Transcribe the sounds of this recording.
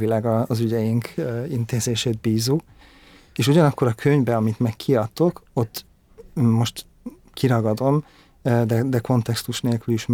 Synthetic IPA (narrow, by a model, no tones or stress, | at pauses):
ilaːɡɒːzyɟɛjiŋkʰint̪eːzeːʃeːd̪̚biːzːu | eːʃuɟɒnɒkːo̞ɾɒkʰø̞ɲvbɛɒmit̪mɛkʰːiɒt̪ːo̞ko̞t̪ː | o̞ʃt̪ | kiɾɒɡɒd̪o̞m | d̪ɛd̪ɛko̞nt̪ɛkst̪uʃneːlkyliʃm